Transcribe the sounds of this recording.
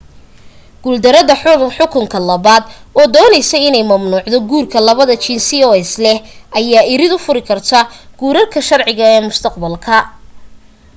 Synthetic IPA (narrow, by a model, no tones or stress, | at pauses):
ɡ̥uld̪ɐɾɐðɐħʊħʊkʰʊŋkʰɐlɐβaːd̪ɔːd̪ɔːnɛjsɛjɪnɛjmɐmnuːʕd̪ɔɡuːrkʰɐlɐβɐðɐt͡ʃinsiɔːɛslɛhʔɐjaːʔɪɾɪd̪ʊfʊɾɪkʰɐrt̪ʰaɡ̥uːɾɐrkʰɐʃɐrʕɪɣɐɛːmʊst̪ʰɐqbɐlkʰɐ